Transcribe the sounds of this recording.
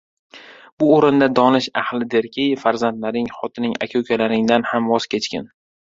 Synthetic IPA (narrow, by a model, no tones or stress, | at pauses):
b̥ʊoɾɪnd̪ad̪ɒnɪʃahlɪd̪eɾkʲʰɪjfaɾzant̪laɾɪŋχɒt̪ʰɪnɪŋa̰kʲʰokʲʰalaɾɪŋd̪anhamvɒz̥kʲʰe̞t͡ʃkʲɪ̰n